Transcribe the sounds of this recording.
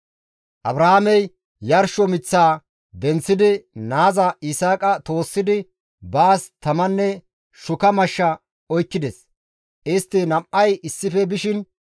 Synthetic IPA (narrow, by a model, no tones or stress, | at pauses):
ʔɐbɾɐhamɛj | jɐɾʃɔmɪt͡sːaː | d̪ɛnt͡sːɪd̪ɪnaːzɐɪsaːkʼɐt̪o̞ːsːɪd̪ɪ | baːst̪ɐmɐnːɛ | ʃʊkɐmɐʃːɐ | ɔjkːɪd̪ɛs | ʔɪst̪ːɪnɐmʔɐjɪsːɪfɛbɪʃɪn